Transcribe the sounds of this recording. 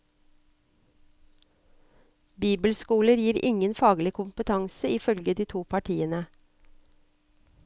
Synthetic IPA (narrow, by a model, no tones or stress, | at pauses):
biːbəlskuːləɾjiːɾɪŋənfɑːɡlɪkʰʊmpət̪ʰɑŋsəɪfœlɡəd̪iːt̪ʰuːpʰɑʈʰiːənə